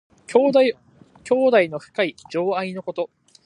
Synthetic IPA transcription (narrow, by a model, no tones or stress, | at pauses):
kʲo̞ːd̪aino̞ɸɯ̟̥kaid͡ʑo̞ːaino̞ko̞t̪o̞